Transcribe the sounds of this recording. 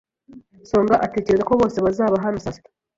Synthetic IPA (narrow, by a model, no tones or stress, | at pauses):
so̞ːŋɡaʔate̞ːceɾezako̞βo̞ːse̞βazaːβaɦanusas